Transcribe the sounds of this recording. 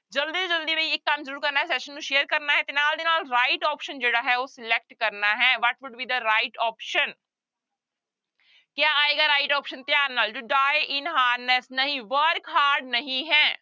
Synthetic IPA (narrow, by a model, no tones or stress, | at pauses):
d͡ʒəld̪iːd͡ʒəld̪iːʋeiːɪkːɐmzəɾuːɾkəɾnaːɦɛːsɛʃənːũːʃeːəɾkəɾnaːɦɛːt̪eːnaːld̪eːnaːlɾaːɪʈɔːpʃənd͡ʒeːɽaːɦɛːoːsɪlɛk̚ʈkəɾnaːɦɛːʋɔʈʋʊɖbiːd̪əɾaːɪʈɔːpʃən | kjaːaːeːɡaːɾaːɪʈɔːpʃənt̪jaːɾnaːlʈʊɖaːeʔɪnɦaːɾnɛsnəɦĩʋəɾkɦaːɾɖ̚nəɦĩɦɛː